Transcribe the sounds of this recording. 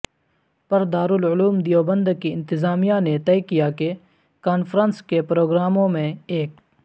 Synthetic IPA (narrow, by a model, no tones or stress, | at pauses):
pɐɾd̪aːɾʊlʊluːmd̪ijoːbə̃nd̪kiɪ̃nt̪ɪzaːmijanet̪ɛɪkijake | kaːnfɾə̃nskepɾoːɡɾaːmõmẽeːk